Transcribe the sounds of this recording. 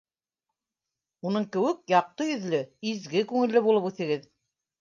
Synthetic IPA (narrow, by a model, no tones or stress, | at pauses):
unɤɴkɘ̆wɘk̚jɑq̚t̪ɤjɵ̆ðlɵizɡɘkʉŋɘ̆lːɘβulˠɤpʉθɘ̆ɡɘð